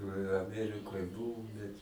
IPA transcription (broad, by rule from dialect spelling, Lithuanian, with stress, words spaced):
ɪ ɐˈmʲæːrʲɪkoːj ˈbʊʋʊm bʲɛt